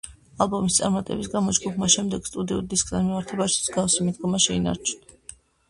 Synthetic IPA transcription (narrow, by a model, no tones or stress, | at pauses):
alˠbɔmist̪sʼaɾmat̪ʼɛ̰bisɡamɔd͡ʒɡupʰmaʃɛmd̪ɛɡ̥st̪ʼud̪iɔd̪iskʰʼd̪anmimaɾt̪ʰɛbaʃi̥z̥ɡafsimid̪ɡɔmaʃɛina̰ɾt͡ʃʰn